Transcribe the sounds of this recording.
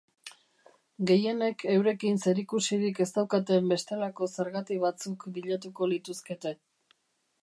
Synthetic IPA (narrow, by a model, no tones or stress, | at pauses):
ɡe̞je̞ne̞kʰe̞wɾe̞kinse̞ɾikusiɾike̞st̪awkat̪e̞mbe̞st̪e̞lako̞se̞ɾɣat̪iβ̞at͡sukbiʎat̪̬uko̞lit̪uske̞t̪e̞